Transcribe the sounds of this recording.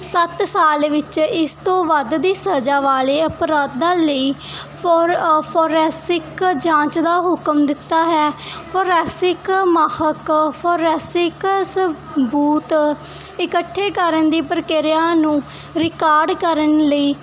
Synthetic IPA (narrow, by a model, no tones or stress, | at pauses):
sət̪saːlʋɪt͡ʃɪst̪õːʋəd̪d̪iːsəd͡ʒaːʋaːleːəpɾaːd̪̚d̪ãːləiː | pʰoːɾɛːsɪkd͡ʒãːt͡ʃd̪aːɦʊkəmd̪ɪt̪ːaːɦɛːpʰoːɾɛːsɪkmaːhəkpʰoːɾɛːsɪksə | buːt̪ɪkəʈʰːeːkəɾənd̪iːpəɾəkɪɾɪjaːnũː | ɾɪkaːɾɖkəɾənləiː